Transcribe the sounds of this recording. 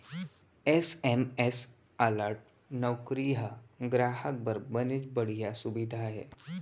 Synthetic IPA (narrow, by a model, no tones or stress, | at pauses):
esemes | aləɾʈ̚ | nɔwkɾiɦaɡɾaɦək̚bəɾbənet͡ʃbəɽ̤ijasubid̪ʱaɦɛ̰